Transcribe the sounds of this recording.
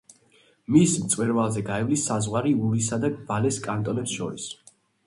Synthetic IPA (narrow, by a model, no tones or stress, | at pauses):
mismt̪sʼwɛɾvalˠzɛɡaɛvlisːazʁwaɾiuɾisad̪aɡvalɛskʼant̪ʼɔnɛpsʃɔɾis